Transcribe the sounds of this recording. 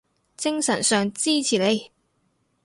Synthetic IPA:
t͡sɪ˥ŋsɐ˨˩nsœː˨ŋt͡siː˥t͡sʰiː˨˩le˨˧j

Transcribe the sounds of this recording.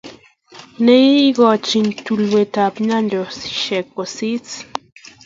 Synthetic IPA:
ne˦ji˦ɡo˧˨t͡ʃi˧nt̪u˧lwe˨t̪a˨pɲa˦ndo˨si̥˨ʃe˨k̚o˨si˦t͡s

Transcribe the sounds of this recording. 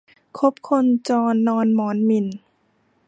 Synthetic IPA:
kʰo˦˥p̚kʰo˧nt͡ɕɔː˧nːɔː˧nmɔː˩˦nmi˧˩n

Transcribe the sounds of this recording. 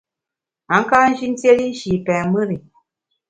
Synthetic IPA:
a˨˦ŋ̩˦ka˦n̩˦ʒi˦n˦te˦li˦n̩˦ʃiː˨pɛ̃ː˨mɨ˦ɾi˨

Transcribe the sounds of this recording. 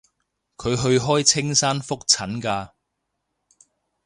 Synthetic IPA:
kʰɵ˨˧ɥɦɵ˧ɥɦɔː˥jt͡sʰɪ˥ŋsaː˥nfʊ˥k̚t͡sʰɐ˨˥nkaː˧

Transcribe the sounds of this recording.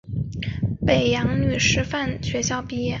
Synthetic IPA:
pe˨˩ɪjɑ˧˥ŋny˨˩ʂɻ̩˥fa˥˩nɕɥɛ˧˥ɕjɑ˥˧ʊpi˥˧jɛ˥˩

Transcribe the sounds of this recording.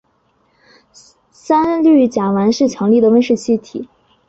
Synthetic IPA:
sa˥nly˥˩t͡ɕja˨˩wa˧˥nʂɻ̩˥˩t͡ɕʰjɑ˧˥ŋli˥˩d̪ə˩wə˥nʂɻ̩˥˩t͡ɕʰi˥t̪ʰi˨˩˦

